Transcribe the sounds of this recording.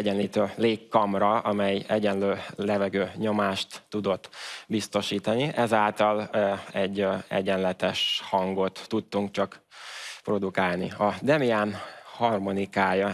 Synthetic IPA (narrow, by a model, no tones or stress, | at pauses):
ɛɟɛnliːt̪øːleːkːɒmrɒɒmɛjɛɟɛnløːlɛvɛɡøːɲo̞maːʃt̪ːud̪o̞t̪ːbist̪o̞ʃiːt̪ɒniʔɛzaːlt̪ɒlɛɟːɛ̰ɟɛnlɛt̪ɛʃhɒŋɡo̞t̪ːut̪ːuŋkt͡ʃɒkpro̞d̪ukaːlnḭɒd̪ɛmiaːnhɒrmo̞nikaːjɒ